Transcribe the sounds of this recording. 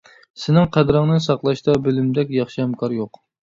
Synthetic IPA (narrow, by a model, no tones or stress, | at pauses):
sɪnɪŋqʰæd̪ɾɨŋnɨsɑqlˠɑʃt̪ɑbɪlymd̪ɛkʲjɑχʃihɛmkʰɑɾjoq